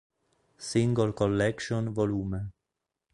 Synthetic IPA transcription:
sɪŋɡəlkɔlːɛkʃɔ̃nvɔluːmə

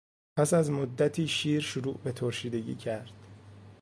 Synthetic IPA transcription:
pʰæsæzmod̪ːæt̪ʰiːʃiːɾʃoɾṵːʔbe̞t̪ʰoɾʃiːd̪e̞ɟḭːcʰæɾd̪̥

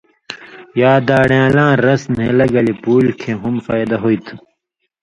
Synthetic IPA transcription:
jaːd̪aːɽjãːlãːɾɐsnelɐɡɐlipuːlkʰeɦumfaːjd̪ɐɦoit̪ʰu

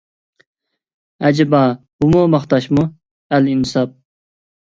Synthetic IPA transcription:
æd͡ʒɪbɑ | b̥umumɑχt̪ɑʃmu | ælinsɑp̚

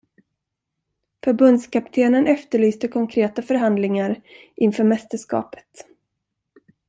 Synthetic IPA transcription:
fœɾbɵnd̪skap̚t̪ʰeːnənɛft̪əɭyːst̪əkʰɔŋkʰɾeːt̪afœɾɦand̪lɪŋaɾ | ʔɪnfœːɾmɛst̪əʂkɑ̰ːpə̥t̪

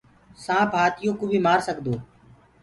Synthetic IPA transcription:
sãːpɦaːt̪ʰɪjõːkoːbʱiːmaːɾsəɠd̪oː

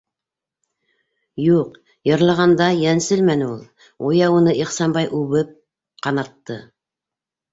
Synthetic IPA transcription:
juq | jɤ̆ɾlˠɑʁɑnd̪ɑjænsɘlmænɘulˠ | ujɑwɤ̆nɤʔiχsɑnbɑjʔʉβɘp̚ | qɑnɑt̪ːɤ

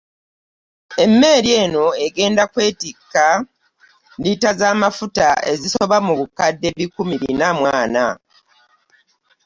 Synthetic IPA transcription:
e̞mːe̞ːɾje̞ːno̞e̞ɡe̞ːndakwe̞ːtikːa | nditazaːmafutae̞̰ziso̞βamuβukadːe̞βikːumiɾḭnamwaːna

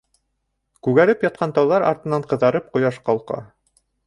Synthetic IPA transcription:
kʉɡæɾɘpjɑt̪̚qʰɑnt̪ɑwðɑɾɑ̰ɾt̪ɤ̆nɑɴqɤ̆ðɑɾɤp̚qŏjɑʃqɑlˠqɑ̰

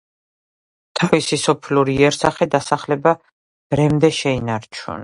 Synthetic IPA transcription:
t̪ʰavisisɔpʰluɾiɛɾsaχɛd̪asaχlɛba | b̥ɾɛmd̪ɛʃɛinaɾt͡ʃʰṵn

